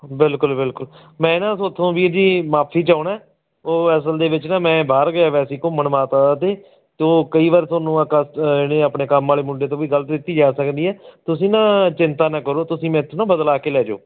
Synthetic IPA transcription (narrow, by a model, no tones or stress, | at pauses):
bɪlkʊlbɪlkʊl | mɛ̃ːnãːsʊt̪ʰːõːʋiːəd͡ʒiːmaːpʰiːt͡ʃaːʊɳɛː | oːɛːs̬əld̪eːbɪt͡ʃnãːmɛ̃ːbaːɾɡəaːʋɛːsiːkõːməɳmaːt̪aːaːt̪eː | t̪eoːkəiːʋaːɾt̪oːnːũːakəsɪɽeːaːpɳeːkəmːaːleːmʊɳɖeːt̪̬õːʋiːɡələt̪d̪ɪt̪iːd͡ʒaːsəkd̪iːɛːt̪ʊs̬ĩːnãːt͡ʃɪnt̪aːnãːkəɾoːt̪ʊsĩːmɛ̃ːt̪ʰːnãːbəd̪laːkeːlɛːd͡ʒo̰ː